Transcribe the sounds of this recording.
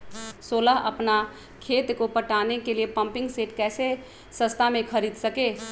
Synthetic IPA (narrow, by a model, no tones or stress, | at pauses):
soːlaɦəpna | kʰeːt̪kopəʈaːnekeliepə̃mpɪ̃ŋɡseːʈkɛːse | sə̃st̪ʰamẽkʰəɾiːd̪səkeː